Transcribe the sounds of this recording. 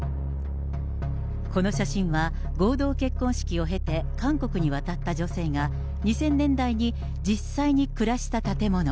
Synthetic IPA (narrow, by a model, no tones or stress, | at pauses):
ko̞no̞ɕaɕĩɰ̃βa | ɡo̞ːd̪o̞ːke̞kːõ̞ɰ̃ɕi̥kʲio̞ɦe̞t̪e̞kãŋko̞kɯ̟ɲ̟iβat̪at̪ːad͡ʑo̞se̞ːɡa | ɲ̟isẽ̞nːẽ̞nd̪aiɲ̟i | d͡ʑisːaiɲ̟ikɯ̟ɾaɕi̥t̪at̪at̪e̞mo̞no̞